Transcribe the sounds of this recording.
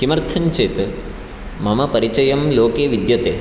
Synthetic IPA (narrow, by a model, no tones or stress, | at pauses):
kimɐɾt̪ʰɐnt͡ʃeːt̪ɨ | mɐmɐpɐɾit͡ʃɐjɐmloːkeːʋid̪jɐt̪eː